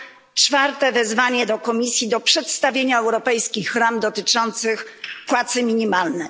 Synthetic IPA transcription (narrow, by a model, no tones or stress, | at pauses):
t͡ʂfaɾt̪ɛvɛzvaɲɛd̪ɔkɔmʲisʲjid̪ɔpʂɛt̪st̪avʲjeɲaɛwɾɔpɛjskʲixɾamd̪ɔt̪ɘt͡ʂɔnt̪sɘxpwat̪sɘmʲiɲimalnɛ